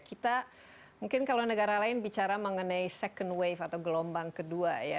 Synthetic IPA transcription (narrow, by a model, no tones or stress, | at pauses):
kit̪a | muŋkɪnkalawnəɡaɾalaɪnbit͡ʃaɾaməŋənajsɛkəndwejfat̪awɡəlɔmbaŋkəduaja